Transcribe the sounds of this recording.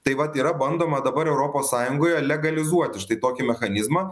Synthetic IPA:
t̪ɐɪʋɐt̪iːɾɐbɐnd̪oːmɐd̪ɐbɐɾɛʊɾoːpoːssɑːjʊŋɡoːjɛlʲɛɡɐlʲɪzuɔt̪ʲɪʃt̪ɐɪt̪oːkʲɪmʲɛxɐnʲɪzmɐː

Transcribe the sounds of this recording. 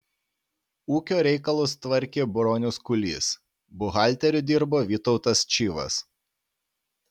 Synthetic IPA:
uːkʲoːɾʲɛɪkɐlˠʊst̪ʋɐɾʲkʲeːbɾoːnʲʊskʊlʲḭːs | bʊɣɑˑlʲt̪ʲɛɾʲʊd̪ʲiˑɾboːʋʲiːt̪ɔʊt̪ɐst͡ʃʲiːʋɐ̰s

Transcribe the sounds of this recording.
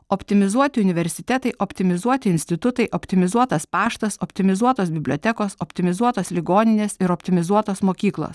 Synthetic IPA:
opʲt̪ʲɪmʲɪzuɔt̪ʲɪʊnʲɪʋʲɛɾʲsʲɪt̪ʲɛt̪ɐɪʔopʲt̪ʲɪmʲɪzuɔt̪ʲɪɪnsʲt̪ʲɪt̪ʊt̪ɐɪʔopʲt̪ʲɪmʲɪzuɔt̪ɐspɑːʃt̪ɐsopʲt̪ʲɪmʲɪzuɔt̪oːsbʲɪbʲlʲoːt̪ʲɛkoːsopʲt̪ʲɪmʲɪzuɔt̪oːslʲɪɡoːnʲɪnʲeːsɪɾɔpʲt̪ʲɪmʲɪzuɔt̪oːsmoːkʲiːklˠo̰ːs

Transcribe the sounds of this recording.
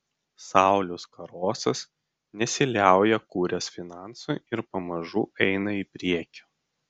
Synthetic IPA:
sɑˑʊlʲʊskɐɾoːsɐs | nʲɛsʲɪlʲæˑʊjɛkuːɾʲɛsfʲɪnɑˑnsuːɪɾpɐmɐʒṵːʔɛɪnɐipʲɾʲiɛkʲo̥ː

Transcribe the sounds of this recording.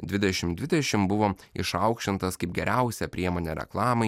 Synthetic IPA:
d̪ʲʋʲɪd̪ʲɛʃʲɪmd̪ʲʋʲɪd̪ʲɛʃʲɪmbʊʋoːɪʃɐʊkʃʲt͡ʃʲɪnt̪ɐskɐɪp̚ɡʲɛɾʲʔæˑʊsʲɛpʲɾʲiɛmoːnʲeɾʲɛ̰klˠɑːmɐɪ

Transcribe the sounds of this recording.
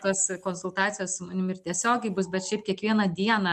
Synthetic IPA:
t̪oːskoːnsʊlˠt̪ɑːt̪sʲɪjoːssʊmɐnʲɪmɪrt̪ʲiɛsʲoːɡʲɛɪbʊsbʲɛt̪ʃʲɛɪpkʲiɛkʋʲiɛnɐd̪ʲiɛnɑ

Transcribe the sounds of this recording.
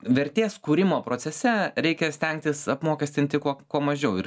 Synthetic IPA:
ʋʲɛɾʲt̪ʲeːskuːɾʲɪmoːpɾoːsʲɛsʲɛɾʲɛɪkʲɛsʲt̪ʲɛŋk̚t̪ʲɪsɐpmoːkʲɛsʲt̪ʲɪnt̪ʲɪkuɔkuɔmɐʒʲɛʊɪɾ

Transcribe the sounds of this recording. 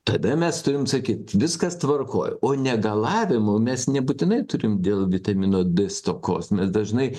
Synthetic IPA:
t̪ɐd̪ɐmʲɛst̪ʊɾʲɪmsɐkʲiːt̪ʋʲɪskɐst̪ʋɐrko̰ːjoːnʲɛɡɐlˠɑːʋʲɪmʊmʲɛsnʲɛbuːt̪ʲɪnɐɪt̪ʊɾʲɪmd̪ʲeːlˠʋʲɪt̪ɐmʲɪnoːd̪ʲɪst̪oːko̰ːsmʲɛsd̪ɐʒnɐɪ

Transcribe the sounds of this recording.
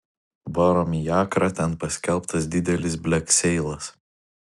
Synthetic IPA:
bɔɾɔmʲijɑːkɾɑt̪ʲɛnpɐsʲkʲɛlˠˑpt̪ɐs̬d̪ʲɪd̪ʲɛlʲɪsbʲlʲɛksʲɛɪlˠɐs

